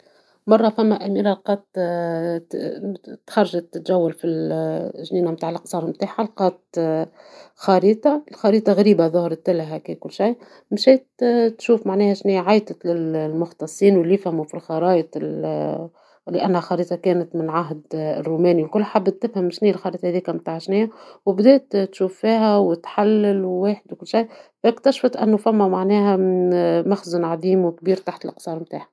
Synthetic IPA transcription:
mɑrˤːɑfæmːæʔæmiːɾalqɑːt̪ | t̪xɑɾˤːɑʒat̪ːɪt̪ʒæwːalfilʒniːnamt̪aːʕlʔqsˤɑːɾˤmt̪aːħalqɑːt̪̚ | xɑɾiːt̪ˤɑlxɑɾiːt̪ˤɑɣæɾiːbaðˤʊhɾˤt̪ːɪlɦækiːkʊlːʃij | mʃɛːt̪t̪ʃuːfmaʕnɛːhæʃniːʕajt̪ˤət̪lɪllmʊxt̪ɑsˤːiːnwɪlːijɪfhæmufilxɑɾˤɑːjt̪ˤɪl | lɪʔænːhæxɑɾiːt̪ˤɑkæːnɪt̪mɪnʕaɦd̪̰rːuːmæːniwlkʊlːħabːt̪ːɪfhæmʃniːlxɑɾˤiːt̪ˤɑhæðiːkæmt̪aːʕʃniːæwɪbd̪ɛːt̪t̪ʃuːfːiːɦæwɪt̪ħalːɪlwweːħɪd̪wkʊlːʃajfækt̪æʃfɑt̪ʔɪ̰nːufæmːæmaʕnɛːhæ | mæxzʊnʕɑðˤiːmwɪkbiːɾt̪aħt̪əlʔqsˤɑːɾˤmt̪aːʕha

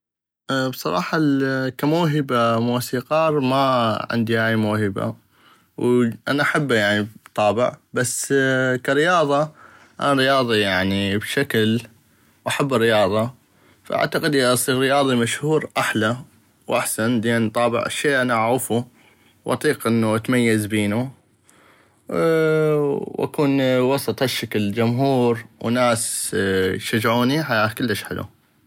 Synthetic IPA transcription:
ʔbsˤɑɾˤɑ̰ːħɑkamuːɦɪbamuːsiːqɑːɾˤmaʕɪ̰nd̪ihaːjmuːhɪba̰ | wʔa̰naʔaħabːajaʕnibbt̪ˤɑːbɪ̰ʕbasːkaɾɪjɑːðˤɑ | ʔa̰naɾɪjɑːðˤijaʕnibʃakl | wʔaħabːɪrːɪjɑːðˤɑ | faʔa̰ʕt̪aqɪd̪ʔɪʔɑsˤiːɣɾɪjɑːðˤimaʃhuːɾʔaħla | wʔaħsanleːnt̪ˤɑːbɪ̰ʕa̰ʃːeːʔanaʔaʕufu | wʔɑ̰t̪ˤiːqʔɪnːuʔat̪majːazbiːnu | wʔa̰kuːnwɑsˤɑt̪ˤhaʃːakld͡ʒʊmɦuːɾwnaːs | jʃad͡ʒʕuːniħajaːkəlːəʃħɪ̰lṵ

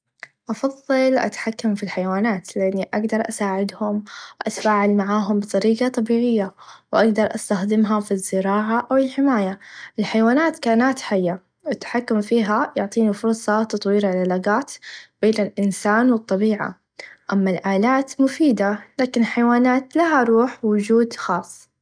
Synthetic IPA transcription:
ʔɑfɑðˤːɨlʔa̰t̪ḁħakːamfilħajwaːnaːt̪lɪʔanːiʔaɡd̪ɑɾˤʔasaːʕɪd̪hʊmwɪʔa̰t̪faːʕalmaʕaːɦʊmbɨt̪ˤɑɾiːɡɑt̪ˤɑbiːʕɪjːawʔaɡd̪ɑɾˤʔast̪axd̪ɪmɦafizːɪɾɑːʕaʔawɪlħɪmaːjaʔɪlħajwaːnaːt̪kaːnaːt̪ħajːa | wɪt̪ːḁħakːʊmfiːɦajʊʕt̪ˤiːnifʊɾˤsˤɑt̪ɑt̪ˤwiːɾʕalalaɡaːt̪b̥eːnɪlʔɪnsaːnwɨt̪ˤːɑbiːʕa̰ | ʔamːalʔaːlaːt̪mʊfiːd̪alaːkɪnlħajwaːnaːt̪laɦaɾˤuːħwʊd͡ʒuːd̪xɑːsˤː

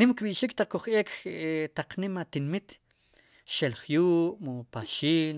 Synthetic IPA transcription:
ɾimkɓiʔʃiːkt̪aq͡χkuχʔeːkt̪aq͡χnimat̪inmit̪ | ʃelχjuːʔmupaʃiːn

